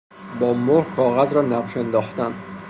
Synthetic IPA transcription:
bɒːmoɾkʰɒːɣæzɾɒːnæqʃend̪ɒːχt̪æn

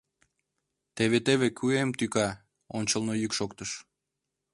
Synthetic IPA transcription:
t̪eβet̪eβekʰyemt̪ykɑ | onʲt͡ɕəlnojykʃokt̪əʃ

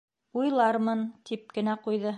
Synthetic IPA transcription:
ujlˠɑɾmɤnt̪ʰip̚kɘ̆næqujðɤ

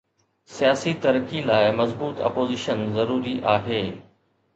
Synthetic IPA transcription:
sijaːsit̪ɐɾkilaːɪmɐzbuːt̪ɐ̰poːzɪʃənzɐɾuːɾiʔaːɦeː

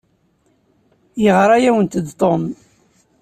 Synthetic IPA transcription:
jəʁɾˤajæwənt̪əd̪t̪ˤom

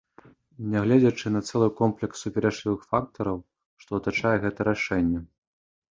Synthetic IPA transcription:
nʲɛɣlʲɛd͡zʲɐt͡ʂɨnɐt̪sɛlˠɨkɔmplʲɛksːupʲɛɾɛt͡ʂlʲivɨxfak̚t̪ɐɾɐw | ʂt̪ɔːt̪at͡ʂajɛɣɛt̪ɐɾaʂɛnʲːɛ

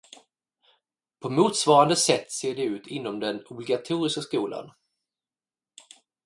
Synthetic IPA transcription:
pʰɔmuːt̪svɑːɾand̪əsɛt̪ːseːɖɛʉ̟ːt̪ʰɪnːɔmd̪ɛnʊblɪɡat̪ʰuːɾɪskaskuːla̰n

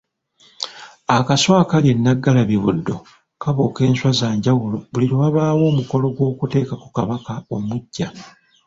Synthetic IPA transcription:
akaswaːkalje̞nːaɡːalaβiβṵdːo̞̰ | kaβoke̞ːnswazaːɲɟawulo̞βuliɾowaβaːwo̞ːmuko̞lo̞ɡwo̞ːkute̞ːkaku̥kaβakao̞muɟːa

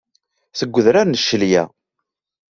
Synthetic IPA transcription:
θəɡʷːəðɾaɾnəʃːəljæ̰

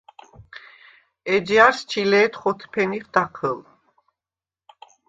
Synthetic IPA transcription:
ɛd͡ʒjaɾst͡ʃʰilɛːt̪χɔt̪ʰpʰɛniχd̪aqʰəl

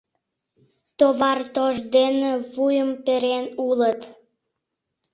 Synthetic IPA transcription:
t̪oβɑrt̪oʒd̪enĕβujəmpeɾenulət̪

